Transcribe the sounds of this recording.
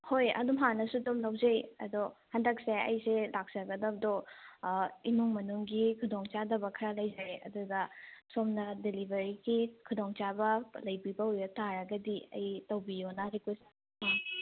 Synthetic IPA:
hojɐ̰dumɦanɐsudomlawd͡ʒejɐ̰dohɐndɐk̚seɐ̰jselak̚sɐɡɐdɐb̚dɔ | inoŋmɐnuŋɡikʰudoŋt͡ʃadɐbɐkʰɐɾalɐjd͡ʒaɾeɐ̰dudɐsomnɐdelibʱɐɾiɡikʰudoŋt͡ʃabɐlɐjbibɐujbɐtaɾɐɡɐdiɐ̰jtɐwbijonɐɾikwesa | ma

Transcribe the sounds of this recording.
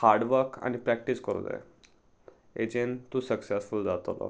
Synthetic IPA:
haɾɖʋəɾka̰nipɾæk̚ʈiskəɾṵd͡zḛ | ed͡ʑent̪ũsəksɛsfuld͡zat̪olɔ̰

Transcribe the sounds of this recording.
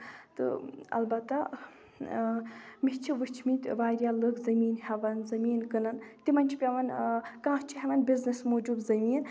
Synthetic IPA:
t̪ɨ̰ɐ̰lbɐt̪ːa | miht͡ʃʰiʋɨt͡ʃʰmit̪ʲʋaːɾjalɨkzɐmiːnhɛʋɐnzɐmiːnkɨnɐnt̪imɐnt͡ʃʰipʲɐʋɐnkãːɦt͡ʃʰiɦɛʋɐnbiznismoːd͡ʒubzɐmiːn

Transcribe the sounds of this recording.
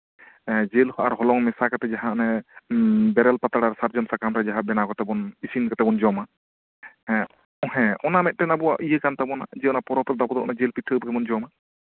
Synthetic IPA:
d͡ʒelhɔʔaɾɦɔlɔŋmɛsakat̪ɛd͡ʒaɦãnɛ | bɛɾɛlpat̪aɽaɾsaɾd͡ʒɔnsakamɾɛd͡ʒaɦãbɛnakɔt̪ɛbɔnisinkɔt̪ɛbɔnd͡ʒɔma | ɔ̃ɦɛ̃ɔnamɛt̪̚ˀʈɛnabɔwa̰ʔijəkant̪abɔna̰d͡ʒɛɔnapɔɾɔpɾɛd̪ɔpɔd̪ɔʔɔ̰nad͡ʒelpiʈʰːəbkɛbɔnd͡ʒɔma

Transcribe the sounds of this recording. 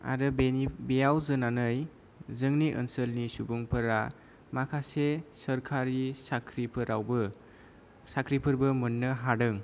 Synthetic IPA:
a̰ɾɯbebijawzɯnanɯj | zɯŋniʔə̰nsəlnisubuŋpʰɐɾa | makʰasesəɾkʰaɾisakʰɾipʰɯɾawbɯ | sakʰɾipʰɯɾbɯmunːɯɦadɯŋ

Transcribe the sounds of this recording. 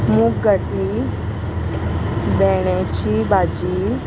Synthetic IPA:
mũːɡəʈi | bɛːɽ̃et͡ʃʰibaːd͡ʒi

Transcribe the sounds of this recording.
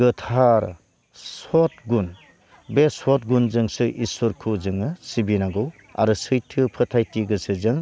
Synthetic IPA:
ɡɯtʰaɾ | sɔt̚ɡun | besɔt̚ɡunzɯŋsɯʔisoɾkʰuzɯŋɯsibinaɡɯw | a̰ɾɯsɯjtʰɯpʰɯtʰajtiɡɯsɯzɯŋ

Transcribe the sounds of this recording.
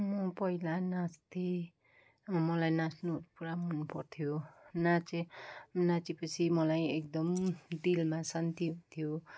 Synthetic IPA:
mʌpʌɦilanast̪ʰi | mʌlajnasnupuɾamʌnːupʌrt̪ʰijonat͡senat͡sipʌt͡sʰimʌlajek̚d̪ʌmɖilmasant̪iɦut̪ʰjo

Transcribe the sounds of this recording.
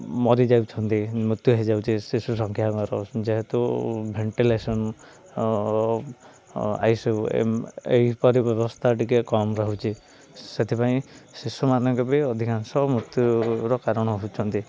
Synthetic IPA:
mɔɾid͡ʒawt͡ʃʰɔnt̪imut̪juɦed͡ʒawt͡ʃʰisisus̬ɔŋkʰjaŋɔɾɔd͡ʒeɦet̪ubʱeɳʈilesɔn | a̰jsew̰ | ḛɦipɔɾibɔbɔst̪ʰaʈikekɔmɾɔɦut͡ʃʰi | set̪ʰipaĩsisumanɔ̃ŋkɔbiɔd̪ʱikansɔmɾut̪juɾɔkaɾɔɽ̃ɔɦut͡ʃʰɔnt̪i

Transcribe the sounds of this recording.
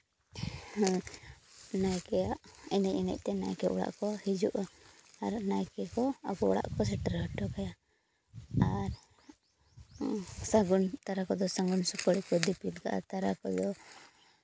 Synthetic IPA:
najkɛjaʔɛnɛc̚ɛnɛ̰c̚ˀt̪ɛna̰jkɛʔɔɽa̰ʔkɔhid͡ʒuʔaːɾnajkɛkɔa̰ɡɔɔ̰ɽa̰ʔkɔsɛʈaɾaʈːɔkaja | aɾ | saɡunt̪aɾakɔd̪ɔsaŋɡunsupəɽikɔd̪ipilkaʔa̰t̪aɾakɔd̪ɔ

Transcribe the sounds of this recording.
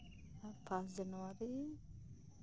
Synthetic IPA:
pʰãs̬d͡ʒanwaɾi

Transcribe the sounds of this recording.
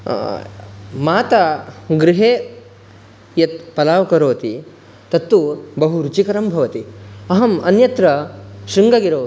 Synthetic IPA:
maːt̪ɐɡɾɪɦeː | jɐt̪̚pɐlaːʋkɐɾoːt̪i | t̪ɐt̪ːubɐɦuɾut͡ʃikɐɾɐmbʱɐʋɐt̪iɐɦɐmɐnjɐt̪ɾɐʃɾiŋɡɐɡiɾoː

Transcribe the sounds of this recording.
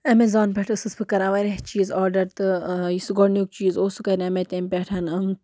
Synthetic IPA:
ɐmezaːnpʲeʈʰɨsɨspʰɨkɐɾaʋɐɾʲeɦt͡ʃiːzaːɾɖɐɾt̪ɨisɨɡoɽnuk̚t͡ʃiːzoːsukɐɾʲɐmet̪ʲemʲpʲeʈʰɐnɨm

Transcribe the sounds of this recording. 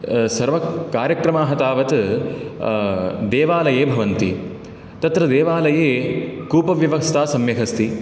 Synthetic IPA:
sɐɾʋɐkaːɾjɐkɾɐmaːɦɐt̪aːʋɐt̪ | d̪ɛːʋaːlɐjeːbʱɐʋɐnt̪ḭ | t̪ɐt̪ɾɐd̪ɛːʋaːlɐjeːkuːpɐʋjɐʋɐkst̪aːsɐmjɐɦʰɐst̪i

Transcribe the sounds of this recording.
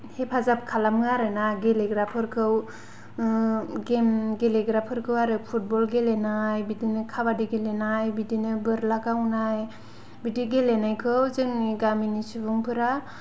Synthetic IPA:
hepʰazap̚kʰalamŋaɾɯnaɡeleɡɾapʰɯɾkʰɯw | ɡemɡeleɡɾapʰɯɾkʰɯwaɾɯpʰut̚bɔlɡelenajbidinɯkʰabadiɡelenajbidinɯbɯɾlaɡawnaj | bidiɡelenajkʰɯwzɯŋɡaminisɯbɯŋpʰɯɾa

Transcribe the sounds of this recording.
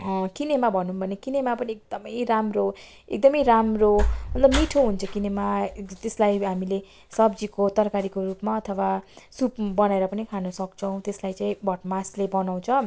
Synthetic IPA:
kinemabʱʌnunbʱʌnekinemapʌniek̚d̪̥ʌmʌjramro | ḛk̚d̪ʌmʌjɾamromʌt̪lʌbmiʈʰoɦunt͡sʰʌkinemat̪eslajɦamile | sʌbd͡zikot̪ʌrkaɾikorupmaʌt̪ʰʌwasupbʌnaeɾʌpʌnikʰanʌsʌk̚t͡sʰʌw̃t̪eslajt͡saĩbʱʌʈmaslebʌnaw̃t͡sʰʌ

